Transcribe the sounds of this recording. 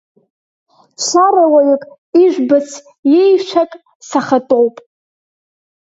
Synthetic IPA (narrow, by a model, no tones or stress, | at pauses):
t͡ɕʷʰaɾawajakʼ | iʒᶣʷbɨsʰ | jejʃʷʰakʼ | saχatʼowpʼ